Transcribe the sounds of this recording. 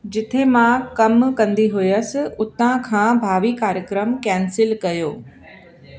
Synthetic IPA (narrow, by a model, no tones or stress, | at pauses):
d͡ʑɪt̪ʰemãːkɐmkɐ̃nd̪iɦʊjəsɪ̆ʊt̪ãkʰãːbʱaːʋikaːɾjəkɾəmkɛ̃ːnsɪlkɐjoː